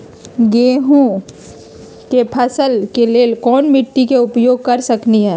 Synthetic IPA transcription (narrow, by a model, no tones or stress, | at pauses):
ɡeːɦõ | kepʰɐsəlkeleːlkɔːnmɪʈːikeʊpjoːɡ̚kɐɾsɐkniɦɛː